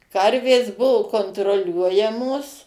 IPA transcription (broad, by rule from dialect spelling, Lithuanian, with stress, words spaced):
ˈkɐrʲʋʲeːs ˈbʊʋʊ koːntroːˈlʲuɔjɛmoːs